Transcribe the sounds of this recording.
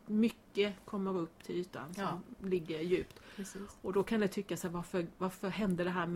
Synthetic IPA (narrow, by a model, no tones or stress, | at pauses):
mʏkːəkʰɔmːəɾɵpːt̪ʰɪly̟ːt̪a̰nsɔlɪɡːəɾjʉ̟ːpt̪ːɔd̪ɔkʰand̪ɛt̪ʰʏkːasæːɾvaɾfəɾvaɾfœɾɦɛnd̪əɖɛɦæːɾm